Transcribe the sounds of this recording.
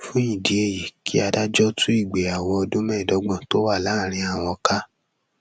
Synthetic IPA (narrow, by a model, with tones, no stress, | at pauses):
fũ˦ĩ˦˨di˨˦e˧˨ji˨kʰi˦a˧da˦d͡ʒɔ˦tũ˦i˦˨ɡ͡be˨a˨wɔ˧ɔ˧dũ˦mɛ̃˦˨dɔ˨˦ɡ͡bɔ̃˦˨to˦wa˦˨la˨˦˨ɾ̃ĩ˧a˨w̃ɔ̃˧ka˦